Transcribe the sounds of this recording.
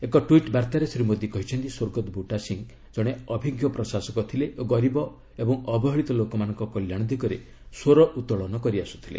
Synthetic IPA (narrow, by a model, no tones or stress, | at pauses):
ekɔʈwiʈbaɾt̪aɾesɾimod̪ʱjikɔɦit͡ʃʰɔnt̪isoɾɡɔt̪ɔbʱuʈasiŋ | d͡ʒɔɽ̃eɔbʱiɡjɔpɾɔsasɔkɔt̪ʰileʔoɡɔɾibɔ | ebɔŋɔbɔɦɔɭit̪ɔlokɔmanɔŋkɔkɔljaɽ̃ɔd̪ʱikɔɾe | soɾɔʔut̪ɔɭɔnɔkɔɾiasu̥t̪ʰilḛ